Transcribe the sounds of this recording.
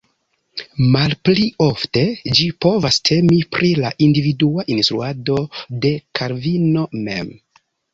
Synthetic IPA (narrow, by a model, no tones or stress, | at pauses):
malplio̞fte̞d͡ʒipo̞vastʰe̞mipɾʔilaʔindividuaʔinstɾuado̞de̞kʰaɾvino̞me̞̰m